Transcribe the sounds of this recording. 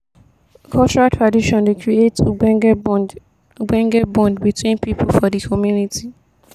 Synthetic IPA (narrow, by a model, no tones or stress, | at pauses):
kʰɔlt͡ʃɔɹatʰɹadiʃɔ̃ndekʰɹietuɛ | uɡ͡bɛ̃ŋɡɛbɔ̃ndbitwĩnpipolfɔdikʰɔmjunitʰi